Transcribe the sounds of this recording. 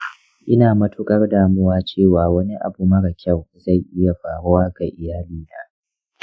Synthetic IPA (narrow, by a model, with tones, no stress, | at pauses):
ʔɪ˦naː˨mɐ˦tʰʊ˦kʼɐ˦rdaː˨mʊ˦waː˦t͡ʃeː˦˨waː˨wɐ˦ni˦ʔa̰˨bu˨mɐ˦ɽɐ˨kʲʰɐ˦˨wza˦˨jʔɪ˦ja˨ɸaː˨ɽʊ˦waː˦ɡa˨ʔɪ˨jaː˦liː˦naː˦